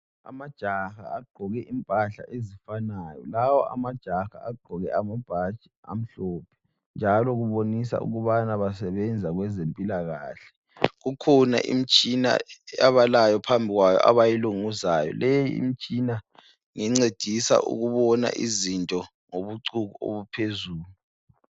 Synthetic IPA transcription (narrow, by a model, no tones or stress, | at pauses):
a̰mad̥ʒ̥ʱaxaːɡ͡ǃʱɔɣɛʔimpʼaɬa̰ʔezifanaːjɔlawɔʔa̰mad̥ʒ̥ʱaxa̰ːɡ͡ǃʱɔɣɛamab̥ʱat͡ʃʼia̰m̩ɬɔːpʰɛ̥ | nd͡ʒʱalɔɣuβonisa̰ṵɣuβanaβasɛβɛnd͡zʱaɣwɛzempʼilaɣaːɬɛ̥ | ɣukʰɔna̰ʔḭmit͡ʃʼina̰aβalajɔpʰambʱiɣwajɔ̰ʔa̰βajiluŋuzajɔ̰lejiḭm̩t͡ʃʼina | ŋiŋ͡ǀed̥ʱisa̰ʔṵɣuβɔna̰ʔizintʼɔ | ŋoβuǀuɣuo̰βupʰezuːlu